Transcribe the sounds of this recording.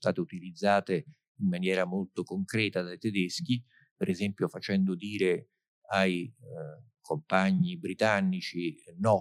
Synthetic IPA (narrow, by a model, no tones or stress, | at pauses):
st̪a̰ːt̪eut̪ilid̪zːaːt̪e | imːanjɛːɾamolt̪okoŋkɾɛːt̪ad̪ajt̪ɛd̪esk̟i | peɾʔɛzɛmpjofat͡ʃɛnd̪od̪iːɾe | aj | kʰompaɲːibɾit̪anːit͡ʃinɔ